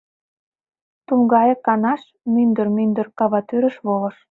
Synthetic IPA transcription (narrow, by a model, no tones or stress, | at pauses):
t̪uŋɡɑjɤ̆kɑnɑʃ | mynd̪ərmynd̪ə̆rkɑβɑt̪øɾə̆ʃβolɤ̆ʃ